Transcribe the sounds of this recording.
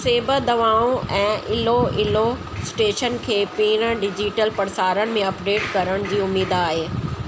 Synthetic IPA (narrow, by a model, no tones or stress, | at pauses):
seːbəd̪ɐʋaːõʔɛ̃ːʔɪloɪlo | sʈeːʃənkʰeːpiːɾ̃əɖɪd͡ʑiʈəlpɐɾsaːɾəɽɪ̆mẽɐpɖeːʈkɐɾəɽ̃ʊd͡ʑiːʊmiːd̪aːɦeː